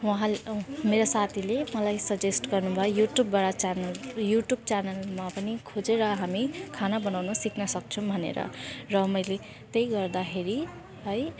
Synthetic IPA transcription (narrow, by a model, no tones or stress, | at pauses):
wʌɦãmeɾosat̪ʰilemʌlajsʌd͡zesʈɡʌrnubʱʌjojuʈjubːaɽat͡sanʌljuʈjub̚t͡sanʌlmapʌnikʰod͡zeɾʌɦamikʰanabʌnawnʌsiknʌsʌk̚t͡sʰũbʱʌnḛɾʌ̰rʌmʌjle | t̪ʌjɡʌrd̪akʰeɾi | ɦʌj